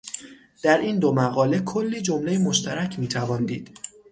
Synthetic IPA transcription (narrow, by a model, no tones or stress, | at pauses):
d̪̥æɾʔiːnd̪omæɣɒːle̞kʰolːiːd͡ʒo̞mle̞jemo̞ʃt̪ʰæɾæcʰmiːt̪ʰævɒːnd̪iːd̪̥